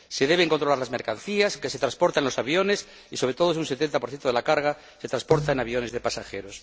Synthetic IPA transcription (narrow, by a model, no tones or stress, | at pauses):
se̞ðe̞β̞e̞ŋkont̪ɾo̞laɾlazme̞ɾkan̟θiaskese̞t̪ɾaspo̞ɾt̪aelo̞saβjo̞nes | isoɾe̞t̪oosunse̞t̪e̞nt̪apoɾθje̞nt̪oe̞lakaɾɣa | se̞t̪ɾanspo̞ɾt̪aenaβjo̞ne̞zðe̞pasaxe̞ɾo̞s